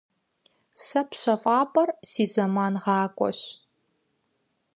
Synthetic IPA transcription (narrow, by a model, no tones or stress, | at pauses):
sɐpɕɐfʼɑːpʼɐrsiːzɐmaːnʁɑːkʷʼɔ̰ɕ